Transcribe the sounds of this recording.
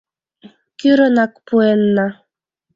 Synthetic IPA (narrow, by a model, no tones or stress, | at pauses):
kʲyɾɤnɑkpuenːa